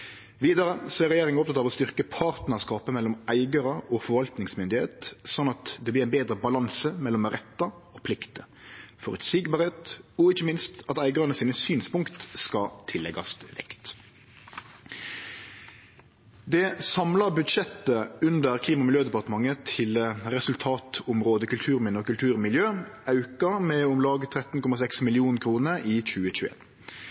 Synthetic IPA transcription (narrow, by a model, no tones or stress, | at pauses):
ʋiːd̪əɾəsæʁɛjeːʁɪŋəɔp̚t̪ʰɑt̪ɑʋɔst̪ʏʁkəpʰɑːɾt̪nəskɑːpəmɛlːɔmæɪɡəɾəɔfɔɾʋɑlt̪nɪŋsmʏnd̪ɪhḛːt̪sɔnːɑt̪d̪ɛblɪɾæɪnbeːd̪ɾəbɑlɑnsəmɛlːɔmʁɛt̪ːɑɔpʰlɪkt̪ə | fɔʁʉ̰t̪siːɡbɑʁɛt̪ɔɪçəmɪnst̪ɑt̪æɪɡəʁɑnəsiːnəsyːnspʊŋkt̪skɑt̪ʰɪlːɛ̰ɡɑ̰st̪ʋɛ̰kt̪ | d̪ɛsɑmlɑʁbʉd̪ʃɛt̪əʉnd̪əʁkʰliːmɑmɪljøːd̪ɛpɑʁt̪əmɑŋːət̪ʰɪlɾɛsʉlt̪ʰɑːt̪ʊmʁoːd̪əkʉlt̪ʰʉːɾmɪnɔkʉlt̪ʰʉːʁmɪljøːɑʉkəɾmɛʊmlɑːɡət̪ʰɾɛt̪n̩kʰɔmɑsɛksmɪlɪuːnnkʰʁɾuːnəɾiːc͡çʉːəc͡çʉːḛːn